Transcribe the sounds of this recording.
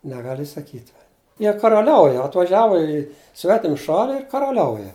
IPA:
nʲɛˈɡɑːlʲɪ sɐˈkʲiːt ʋɐ ˈjiɛ kɐrɐˈlʲɛʊjɛ ɐtʋɐˈʒʲæːʋoː iː ˈsʲʋʲæːtʲɪm ˈʃɑːlʲɪ ɪr kɐrɐˈlʲɛʊjɛ

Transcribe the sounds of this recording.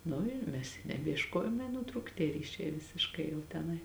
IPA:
ˈnʊ ɪ ˈmʲɛs ɪ nʲɛbʲiɛʃˈkoːjoːm ɪ nʊˈtruːk tʲiɛ ˈrʲiːʃʲɛɪ ʋʲɪsʲɪʃˈkɐɪ jɛʊ tʲɛˈnɐɪ

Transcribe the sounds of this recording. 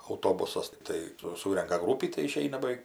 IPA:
ɐʊˈtoːbʊsɐs ˈtɐɪ sʊ ˈsuːrʲɛŋkɐ ˈɡruːpʲiː tɐɪ ɪˈʃʲɛɪnɐ bɐˈʋʲɛɪk

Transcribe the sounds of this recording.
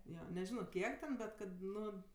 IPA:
ˈjoː nʲɛˈʒʲɪnoː ˈkʲiɛk tʲɛn ˈbʲɛt ˈkɐt ˈnʊ

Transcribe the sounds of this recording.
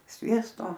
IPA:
ˈsʲʋʲiɛstoː

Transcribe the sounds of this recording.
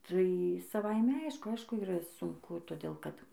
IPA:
tɐɪ sɐˈʋɐɪmʲɛ ˈɐɪʃkʊ ˈɐɪʃkʊ iːˈrɐ sʊŋˈkʊ toːˈdʲeːlˠ kɐt

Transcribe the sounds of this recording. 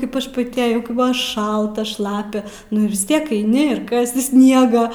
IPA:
ˈkɐɪp ɐʃ pɐˈtʲɪ ɐˈjɛʊ kɐɪp ˈbʊʋoː ˈʃɐlˠtɐ ˈʃlˠɑːpʲɛ nʊ ɪr ʋʲɪs ˈtʲiɛk ɛɪˈnʲɪ ɪr ˈkɑːsʲɪ ˈsʲnʲiɛɡɑː

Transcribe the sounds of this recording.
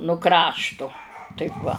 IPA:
nʊ ˈkrɑːʃtʊ ˈtɐɪp ʋɐ

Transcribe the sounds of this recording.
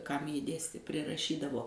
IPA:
ˈkɐm ˈjɪ ˈdʲeːsʲtʲeː pʲrʲɪrɐˈʃʲiːdɐʋoː

